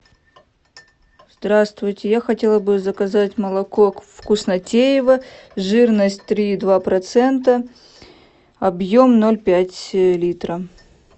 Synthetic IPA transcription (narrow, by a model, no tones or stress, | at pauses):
zd̪ɾast̪vʊjtʲɪjaxɐtʲe̞lˠəbɨzəkɐzatʲməlˠɐkokfkʊsnɐtʲejɪvəʐɨrnəsʲtʲt̪ɾʲiːd̪vapɾɐt̪sɛnt̪ə | ɐbjomno̞lʲpʲætʲlʲit̪ɾə